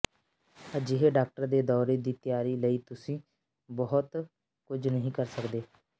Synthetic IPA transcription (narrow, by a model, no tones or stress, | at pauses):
əd͡ʒɪɦeɖaːk̚ʈəɾd̪eːd̪ɔːɾeːd̪iːt̪ɪjaːɾiːləiːt̪ʊsĩː | bɔɦʊt̪ | kʊd͡ʒnəɦĩːkəɾsəkd̪eː